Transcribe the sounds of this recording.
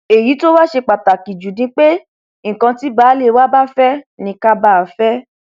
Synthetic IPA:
e˨ji˨˦to˦ba˦ʃe˧k͡pa˨ta˨ki˨d͡ʒu˨dĩ˧k͡pe˦ | ŋ̩˨kã˧ti˦baː˨˦le˦˨˦wa˦ba˦fɛ˦nĩ˧ka˦ba˦˨fɛ˦

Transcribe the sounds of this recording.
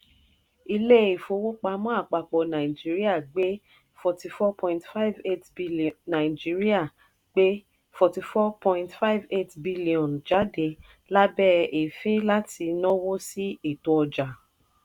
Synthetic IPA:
i˧le˦i˨fo˨˧wo˦k͡pa˧˦mɔ̃˦a˦˨k͡pa˨k͡pɔ˨nã˨i˨d͡ʒi˨˦ɾi˦a˦˨ɡ͡be˦ | fɔ˧ti˧fɔ˦pʰɔ̃˧ĩ˨ntfa˦i˦ve˦tbi˦nã˨i˨d͡ʒi˨˦ɾi˦a˦˨ | ɡ͡be˦ | fɔ˧ti˧fɔ˦pʰɔ̃˧ĩ˧ntfa˦i˨ve˦˨tbi˦li˨ɔ̃˨nd͡ʒa˨˦de˧˦ | la˦bɛ˦e˨fĩ˦la˦ti˧nɔ̃˦wo˦si˦e˦˨to˧ɔ˧d͡ʒa˨

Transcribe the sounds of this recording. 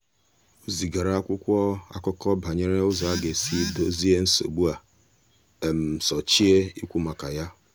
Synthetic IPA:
o˨zi˨ɡa˨ɾa˨˦a˦kʷʊ˦kʷɔ˦a̰˦kɔ˦kɔ˦ba˨ɲe˦ɾe˦ʊ˦zɔ˨a˦ɡe˨si˦do˦zi˦e˦n̩˦so̰˨ɡ͡bu˦a˨ | e˨m̩˨sɔ˨t͡ʃi˦e˦i˦kʷu˦ma˨ka˨ja˦

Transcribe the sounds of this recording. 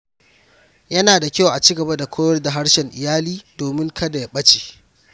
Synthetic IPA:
jɐ˦naː˨da˨kʲa˦wʔa˨t͡ʃiː˦ɡɐ˨bɐ˦da˨kʷʰoː˦jɔ˦rda˨ɦa˦ɽʃɛ˨ŋʔɪ̰˨jaː˦liː˦doː˨mɪ˦ŋkʰɐ˦da˨ja˦˨ɓɐ˦t͡ʃe̥ː˨

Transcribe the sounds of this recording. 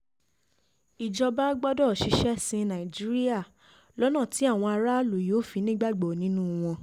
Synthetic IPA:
i˨d͡ʒɔ˧ba˦ɡ͡bɔ˦dɔ˦˨ʃi˧ʃɛ˦sĩ˧nã˨i˨d͡ʒi˦ɾi˦a˦˨ | lɔ˦nã˦˨ti˨˦a˦˨w̃ɔ̃˧a˧ɾa˦lu˨jo˨˦fi˧nĩ˦ɡ͡ba˦˨ɡ͡bɔ˨nĩ˨˦nũ˦w̃ɔ̃˧

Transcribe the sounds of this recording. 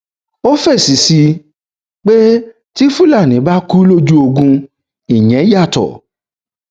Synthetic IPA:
o˦fɛ˦˨si˨si˧ | k͡pe˦ | ti˦fũ˦la˦˨nĩ˨˦ba˦ku˦lo˦d͡ʒu˦o˧ɡũ˧ | i˨ɲ̃ɛ̃˨˦ja˦˨tɔ̰˨

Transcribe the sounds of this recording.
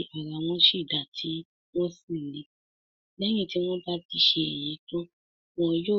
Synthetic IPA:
ʔa˨ɾa˨w̃ɔ̃˦ʃi˦˨da˨tʰi˦ | w̃ɔ̃˦sĩ˦˨le˨˦ | lɛ̃˦ĩ˦˨ti˦w̃ɔ̃˦ba˦ti˧˦ʃe˧ɛ˨j̃ĩ˨˦to˦ | wɔ̃˦jo˦˨

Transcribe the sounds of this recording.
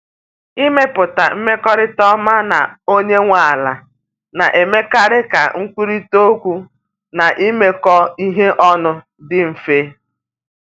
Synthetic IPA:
i˦me˦pʊ˨ta˨m̩˦me˦kɔ˦ɾɪ˦tɔ˦ma˦na˨o˦ɲe˦ŋʷa˨a˨la̰˨ | na̰˨ʔe˨me˦ka˦ɾɪ˦ka̰˨ŋ̩˦kʷi˦ɾi˦to˦kʷu˦ | na˨ʔi˦me˦kɔ˦i˦ɦe˦ʔɔ˦nʊ˦ | dɪ˦m̩˨fe˦

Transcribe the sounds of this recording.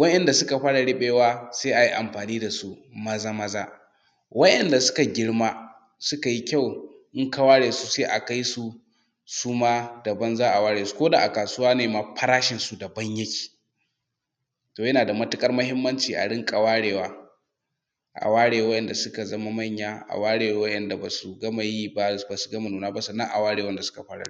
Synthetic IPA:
wɐ˦ʔɛ˨nda˨sʊ˦ka˨ɸaː˦ɽa˨ɽɪ˦ɓeː˨waː˦seː˦ʔa˨ji˦ʔa˨mɸaː˨niː˦da˨su˦mɐ˦zaː˦mɐ˦zaː˦ | wɐ˦ʔɛ˨nda˨sʊ̥˦ka˨ɡʲɪ˦ɽmaː˦ | sʊ˦ka˨ji˦kʲa˦˨wʔɪ˦ŋka˦waː˦ɽeː˨su˦seː˦ʔa˨ka˦jsu˦ | suː˦maː˦dɐ˨bɐ˦nzaː˦ʔa˨waː˦ɽeː˨su̥˦koː˦daː˨ʔa˨kaː˨sʊ˦waː˦neː˨maː˨ɸɐ˦ɽaː˦ʃɪ˨nsu˦dɐ˨bɐ˦ɲjɐ˦kʲʰi̥ː˨ | toː˨jɐ˦naː˨da˨mɐ˦tʊ˦kʼɐ˦rmɐ˦hɪ˦mːɐ˦nt͡ʃiː˨ʔa̰˨ɽɪ˦ŋkʼa˨waː˦ɽeː˨waː˦ | ʔa̰˨waː˦ɽeː˨wɐ˦ʔɛ˨nda˨sʊ˦ka˨zɐ˦ma˦mɐ˦˨ɲjaː˦ʔa̰˨waː˦ɽeː˨wa˨wɐ˦ʔɛ˨nda˨baː˨su˨ɡɐ˦ma˨jiː˦ba˦baː˨su̥˨ɡɐ˦ma˨nuː˨naː˦ba˦sɐ˨nːɐ˦ʔa̰˨waː˦ɽeː˨wɐ˦nda˨sʊ̥˦ka˨ɸa˦ɽa̰˦ɽ

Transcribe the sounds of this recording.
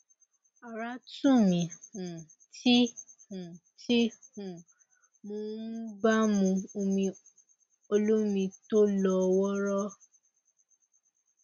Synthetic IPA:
a˨ɾa˦tũ˦˨mĩ˨hũ˨ | ti˦hũ˨ | ti˦hũ˨ | mõː˨˦n̩˦ɡ͡ba˦mũ˧o˧mĩ˧ | o˧lo˦mĩ˧to˦lɔ˧wɔ˦ɾɔ˦

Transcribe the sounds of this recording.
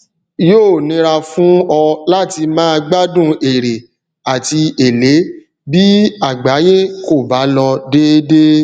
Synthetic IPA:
joː˦˨nĩ˧˦ɾa˧fũ˦ɔ˧la˦ti˧mãː˦˧ɡ͡ba˦dũ˦e˨ɾe˨ | a˨ti˧e˨le˨˦ | bi˦a˦˨ɡ͡ba˨˦je˦ko˦˨ba˨˦lɔ˧de˦de˦

